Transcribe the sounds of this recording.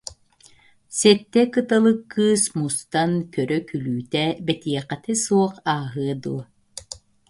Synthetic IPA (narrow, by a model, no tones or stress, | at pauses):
sɛt̪ːɛkɯt̪alˠɯkːɯːsmust̪ankœɾœkylyːt̪ɛbɛt̪iɛqɛt̪isuɔqaːɦɯɐd̪uɔ